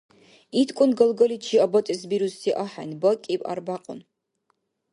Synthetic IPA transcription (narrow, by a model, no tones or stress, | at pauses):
itʰkʷʼʊnɡɐlɡɐlit͡ʃʰiːɐbɐtʼɨsbiːɾustʰiʔɐħa̰nbɐkʼiːpʼa̰rbaːqʼʊ̰n